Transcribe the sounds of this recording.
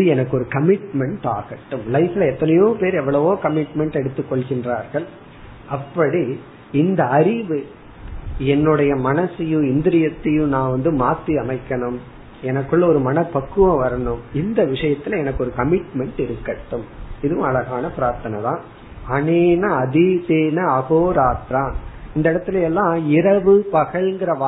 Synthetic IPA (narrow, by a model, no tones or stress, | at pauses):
ɯɛnɐkːɯɔɾɯkɐmɪʈmɛɳʈaːɣɐʈːɯmlɐɪfɪlɐɛt̪ːɐnɐjoːpeːɾɛʋːɐɭɐʋoːkɐmɪʈmɛɳʈɛɽɯt̪ːɯkːɔɭɣɪndraːɾɣɐɭ | ɐpːɐɽi | ɪnd̪ɐɐɾɪʋɯ | ɛnːɯɽɐjɐmɐnɐsɪjʊ̃ɪnd̪ɪɾɪjɐt̪ːɪjɯ̃nãːʋɐnd̪ɯmaːt̪ːiɐmɐɪkːɐɳɯm | ɛnɐkːɯɭːɐɔɾɯmɐnɐpːɐkːɯʋɐ̃ʋɐɾɐɳɯmɪnd̪ɐʋɪʂɐjɐt̪ːɪlɐɛnɐkːɯɔɾɯkɐmɪʈmɛɳʈɪɾɯkːɐʈːɯmɪðɯʋʊ̃ɐlɐɣaːnɐpɪɾaːɾt̪ɐnɐt̪ã̰ː | ɐneːnɐɐðiseːnɐɐɣoːɾaːt̪ɾãːɪnd̪ɐɪɽɐt̪ːɪlɐɛlːãːɪɾɐʋɯpɐɣɐɭŋɡɪɾɐʋaː